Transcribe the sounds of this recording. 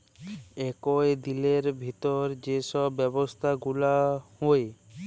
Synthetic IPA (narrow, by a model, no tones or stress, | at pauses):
ɛkɔed̪ileɾbʱit̪ɔɾd͡ʑeʃɔbːɛbost̪ʰaɡulahoe